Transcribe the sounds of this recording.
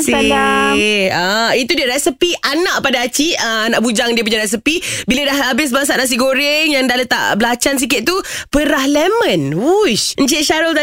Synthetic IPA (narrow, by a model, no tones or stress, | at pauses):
saa | əit̪udiəɾɛsəpiʔanaʔpadaːt͡ʃiəanaʔbud͡ʒaŋdiəp̬uɲd͡ʒaɾɛs̬əpibilədahabɪs̬maŋs̬aʔnas̬iɡoɾɪŋjaŋdahlət̪a̰ʔbəlat͡ʃans̬ik̬ɪt̪̚t̪u | pəɾahlɛmə̃nwuʃəɲt͡ʃɪʃaɾəlt̪a